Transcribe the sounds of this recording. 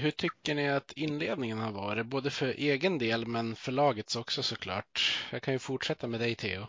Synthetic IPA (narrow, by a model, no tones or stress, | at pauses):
hɵʈʰʏkːəɳɪat̪ʰɪnːleːd̪nɪŋənhaɾvɑːɾɪboːd̪əfœɾʔeːɡənd̪eːlmɛnfœɭɑːɡət̪sɔksɔsɔkʰlɑ̰ːʈjɑːɡkʰanjɵfʊʈʂɛt̪ːamɛːd̪ɛɪt̪ʰḛːʊ